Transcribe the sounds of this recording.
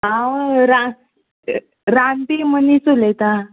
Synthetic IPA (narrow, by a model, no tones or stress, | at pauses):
awɾa | ɾand̪imənit͡sulet̪a